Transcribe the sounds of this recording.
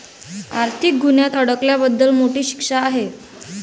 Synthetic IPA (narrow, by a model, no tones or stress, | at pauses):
aɾt̪ʰik̚ɡʱunjat̪əɽəkljabəd̪ːəlmoʈiːɕi̥kʂaːɦe